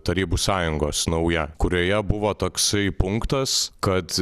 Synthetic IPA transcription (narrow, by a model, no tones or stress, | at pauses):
t̪ɐɾʲiːbuːsɑːjʊŋɡoːsnɐʊjɛkʊɾʲoːjɛbʊʋoːt̪oːksɐɪpʊŋkt̪ɐskɐt̪